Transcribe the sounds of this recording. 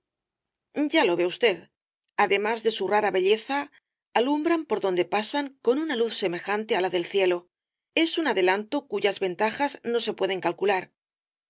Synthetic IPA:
ɟ͡ʝalo̞βe̞ust̪e̞ð | aðe̞mazðe̞suraɾaβe̞ʎe̞θaː | lumbɾampo̞ɾðo̞nd̪e̞pasaŋko̞nunaluθse̞me̞xant̪ealaðe̞lθje̞lo̞ | e̞sunaðe̞lant̪okuʝazβe̞nt̪axazno̞se̞pwe̞ð̞e̞ŋkalkulaɾ

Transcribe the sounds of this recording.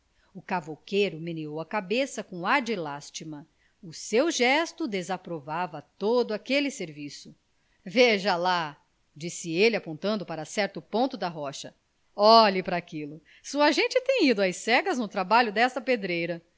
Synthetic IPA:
ʊkavokejɾʊmeneowɐkabesɐkõaɾd͡ʒɪlast͡ʃimɐ | ʊsewʒɛst̪ʊd̪ezapɾovavɐt̪od̪ʊakelɪseɾvisʊ | veʒɐla | d͡ʒisɪelɪapõnt̪ɐ̃nd̪ʊpaɾɐsɛɾt̪ʊpõt̪ʊd̪ɐɦɔʃɐ | ɔʎɪpɾɐakilʊ | suɐʒẽnt͡ʃɪt̪ẽj̃id̪ʊajsɛɡɐznʊt̪ɾabaʎʊd̪ɛst̪ɐped̪ɾejɾɐ

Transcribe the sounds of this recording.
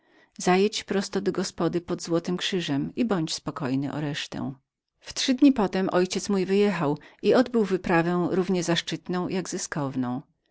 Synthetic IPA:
zajɛt͡ɕpɾɔst̪ɔd̪ɔɡɔspɔd̪ɘpɔd̪zwɔt̪ɘmkʂɘʐɛmibɔɲt͡ɕspɔkɔjnɘ̰ʔɔ̰ɾɛʂt̪ɛ̰w̃ | ft̪ʂɘd̪ɲipɔt̪ɛmʔɔjt͡ɕɛt̪smujvɘjɛxawiɔd̪bɘwvɘpɾavɛ̃w̃ɾuvɲɛzaʂt͡ʂɘt̪nɔ̃w̃jaɡzɘskɔvnɔ̃w̃

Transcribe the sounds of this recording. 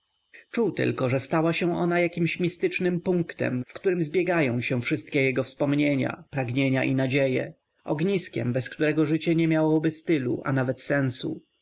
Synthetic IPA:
t͡ʂuwt̪ɘ̰lkɔʐɛst̪awaɕɛ̃ʔɔnajakʲimɕmʲist̪ɘt͡ʂnɘmpuŋkt̪ɛ̰mfkt̪uɾɘmzbʲjɛɡajɔ̃w̃ɕɛ̃fʂɘst̪̚kʲɛjɛɡɔfspɔmɲeɲa̰pɾaɡɲeɲaʔinad͡ʑejɛ̰ | ɔ̰ɡɲiskʲɛ̰mbɛskt̪uɾɛɡɔʐɘt͡ɕɛɲɛmʲjawɔbɘst̪ɘlṵʔa̰navɛt̪sɛ̃w̃sṵ

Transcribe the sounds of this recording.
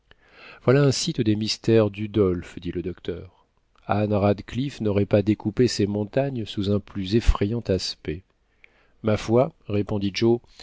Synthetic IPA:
vwalaɛ̃sit̪d̪emist̪ɛʁd̪yd̪ɔlfd̪iləd̪ɔkt̪œːʁ | anʁad̪klifnɔʁɛpad̪ekupesemɔ̃t̪aɲsuzɛ̃plyzefχɛjɑ̃t̪aspɛ | mafwaʁepɔ̃d̪id͡ʒo

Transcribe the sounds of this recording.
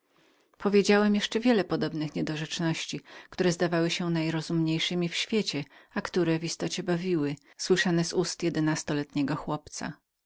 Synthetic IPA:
pʰɔvʲjed͡ʑawɛmjɛʂt͡ʂɛvʲjɛlɛpɔd̪ɔbnɘxɲɛd̪ɔʐɛt͡ʂnɔɕt͡ɕikt̪uɾɛzd̪avawɘɕɛnajɾɔzumɲejʂɘmʲifɕfʲjet͡ɕɛakt̪uɾɛvist̪ɔt͡ɕɛbavʲiwɘ | swɘʂanɛzust̪jɛd̪ɛnast̪ɔlɛt̪ɲɛɡɔxwɔpt̪sa̰

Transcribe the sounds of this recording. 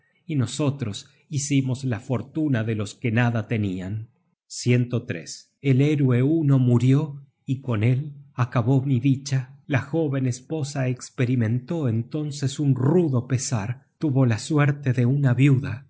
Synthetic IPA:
ino̞so̞t̪ɾo̞s | isimozlafo̞ɾt̪unaðelo̞skenaðat̪e̞nian | sje̞nt̪ot̪ɾḛs | eleɾweuno̞muɾjo̞ | iko̞ne̞lakaβo̞miðit͡ʃalaxo̞βe̞nespo̞saekspeɾimẽ̞nt̪o̞ent̪o̞nsesunruðo̞pesaɾt̪uβo̞lasweɾt̪eðeunaβjuða

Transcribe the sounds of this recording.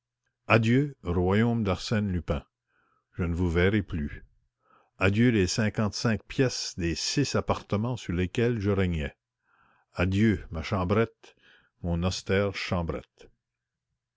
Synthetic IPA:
ad̪jøʁwajoːmd̪aʁsɛnlypɛ̃ | ʒ̥ənəvuvɛʁɛply | ad̪jølesɛ̃kɑ̃t̪sɛ̃k̚pjɛsd̪esisapaʁt̪əmɑ̃syʁlekɛlʒəʁɛɲɛ | ad̪jømaʃɑ̃bɾɛt̪ | mɔ̃nɔst̪ɛːʁʃɑ̃ːbɾɛ̰t̪

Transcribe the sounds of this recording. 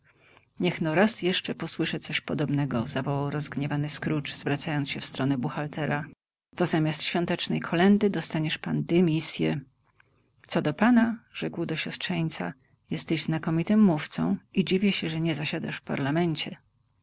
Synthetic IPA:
ɲɛxnɔɾasjɛʂt͡ʂɛpɔswɘʂɛt̪sɔɕpɔd̪ɔbnɛɡɔzavɔwawɾɔzɡɲɛvanɘskɾut͡ʂz̥vɾat̪sajɔnt̪ɕɛfst̪ɾɔnɛbuxalt̪ɛɾa | t̪ɔzamʲast̪ɕfʲjɔ̃nt̪ɛt͡ʂnɛjkʰɔlɛnd̪ɘd̪ɔst̪aɲɛʂpant̪ɛmʲisʲjɛ | t̪sɔd̪ɔpanaʐɛkwd̪ɔɕɔstʂɛɲt̪sa̰ | jɛst̪ɛʑznakɔmʲit̪ɘmːuft̪sɔ̰̃w̃id͡ʑivʲjɛɕɛʐɛɲɛzaɕad̪a̰ʂfpa̰ɾlamɛnt͡ɕɛ

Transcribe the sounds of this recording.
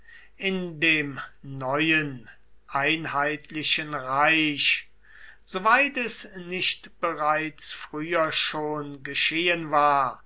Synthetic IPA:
ʔɪndeːmnɔʏən | ʔaɪnhaɪtʰlɪʃənʁaɪɕ | z̥ovaɪtɛsnɪʃtb̥əʁaɪt͡sfʁ̥yːɐʃoːnɡəʃeːənvaːɐ

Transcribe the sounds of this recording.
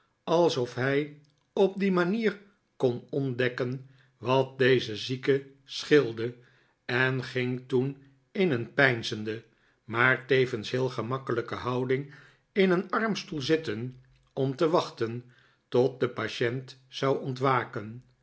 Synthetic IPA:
ɑlˠsɔfɦɛj | ɔp̚dimaniːr | kɔnɔndɛkən | ʋɑt̚dejzəzikə | sχɪlˠdə | ɛnχɪŋtun | ɪnənpɛjnzəndə | maːɹtejvənsɦɪːlˠχəmɑkələkəɦɑwdɪŋ | ɪnənɑɹmstulˠzɪtən | ɔmtəʋɑχtən | tɔt̚dəpaʃɛntsɑwɔntʋaːkən

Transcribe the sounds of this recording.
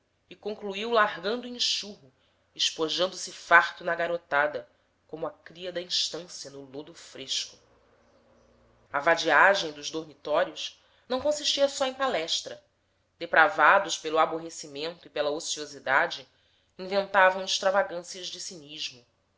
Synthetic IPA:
ɪkõŋkluiwlaɦɡɐ̃nd̪uĩʃuɦʊ | ɪʃpoʒɐ̃nd̪ʊsɪfaχt̪ʊnɐɡaɾot̪ad̪ɐ | kõmʊɐkɾiɐd̪ɐĩʃt̪ɐ̃siɐnʊlod̪ʊfɾeʃkʊ̥ | ɐvad͡ʒiaʒẽj̃d̪ʊʒd̪ohmit̪ɔɾiʊʃ | nɐ̃w̃kõsiʃt͡ʃiɐsɔẽj̃palɛʃt̪ɾɐ | d̪epɾavad̪ʊʃpelʊaboɦesimẽnt̪ʊipelɐosiozid̪ad͡ʒɪ | ĩvẽnt̪avɐ̃w̃ɪʃt̪ɾavaɡɐ̃siɐʒd͡ʒɪsiniʒmʊ

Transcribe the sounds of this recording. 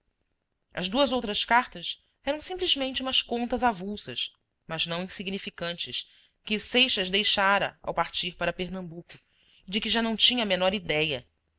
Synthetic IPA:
ɐ̰zd̪uɐzowt̪ɾɐskaɾt̪ɐs | ɛɾɐ̃w̃sĩmplizmẽnt͡ʃɪumɐskõnt̪ɐzavusɐs | mɐznɐ̃w̃ĩsiɡnifikɐ̃nt͡ʃɪs | kɪsejʃɐzd̪ejʃaɾɐ̰a̰wpaɾt͡ʃiɾpaɾɐpeɾnɐ̃mbukʊ | ɪd͡ʒɪkɪʒanɐ̃w̃t͡ʃĩɲɐmenɔɾid̪ɛjɐ

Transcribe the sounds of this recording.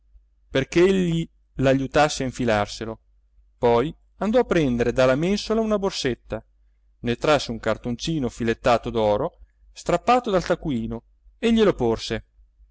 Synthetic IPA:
perkeeʎːi | laʎut̪asːeaiɱfilarselo | pɔj | and̪ɔapːɾɛnd̪eɾed̪alːamensolaunaborset̪ːa | net̪ɾasːeuŋkart̪ont͡ʃiːnofilet̪ːaːt̪od̪ɔːɾo | st̪ɾapːaːt̪od̪alt̪akwiːno | eʎːeloporse

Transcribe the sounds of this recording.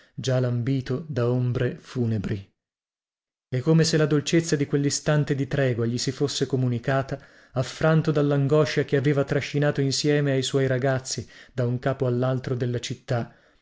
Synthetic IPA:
d͡ʒalambiːt̪od̪aombɾefuːnebɾi | ɛkːomeselad̪olt͡ʃet̪sːad̪ikwelːist̪ant̪ed̪it̪ɾɛːɡwaʎisifosːekomunikaːt̪aː | fɾant̪od̪alːaŋɡɔʃakeaveːvat̪ɾaʃːinaːt̪oinsjɛːmeajswɔjɾaɡat̪sːid̪̥auŋkaːpoalːalt̪ɾod̪elːat͡ʃit̪ːa

